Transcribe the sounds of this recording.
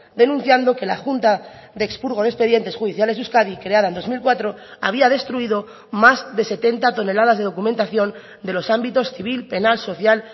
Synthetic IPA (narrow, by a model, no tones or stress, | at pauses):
d̪e̞nũn̟θjand̪o̞ke̞laxunt̪aðekspuɾɣo̞ðe̞speðje̞nt̪e̞sxuðiθjale̞zuskaðikɾeaðaenomilkwat̪ɾo̞aβ̞iað̞e̞st̪ɾuiðo̞ | mazðe̞se̞t̪e̞nt̪at̪o̞ne̞laðazðe̞ðo̞kumẽ̞nt̪aθjo̞n | d̪e̞lo̞sambit̪o̞sθiβilpe̞nalso̞θjal